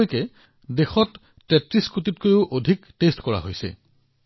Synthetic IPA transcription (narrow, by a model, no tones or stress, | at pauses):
jkɛ | dexɔtː | ɛtɹiskut̬itkojʊʔodʱiktestkɔɹa̰ɦojsɛ̰